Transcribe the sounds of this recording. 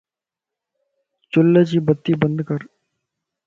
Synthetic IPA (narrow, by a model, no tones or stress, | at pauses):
t͡ʃʊlːəd͡ʒiːbət̪ːiːbənd̪kəɾ